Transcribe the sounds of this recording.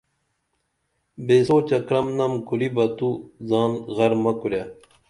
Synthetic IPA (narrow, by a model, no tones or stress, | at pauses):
beːsoːt͡ɕɐkɾɐmnɐmkuɾibɐt̪uzaːnɣɐɾmɐkuɾja